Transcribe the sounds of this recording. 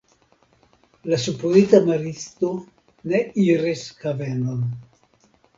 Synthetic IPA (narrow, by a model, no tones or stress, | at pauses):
lasupɾoit̪amaɾist̪o | nɛiɾeskavɛnon